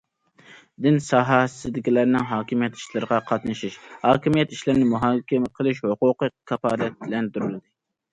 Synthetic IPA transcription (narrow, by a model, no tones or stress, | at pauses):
d̪ɪnsɑːɦɑsɨd̪ɪkʲilæɾnɪŋɦɑːkʲimijɛt̪ʰi̥ʃlˠɨɾəʁɑqʰɑt̪nɨʃiʃhɑːkʲimijɛt̪iʃlɪɾnɪmuɦɑːkʲɪmqʰəlˠɨʃhoqʊqɨkʰɑpɑːlɛt̪̚bɪlɛnd̪uɾylˠɨd̪ɨ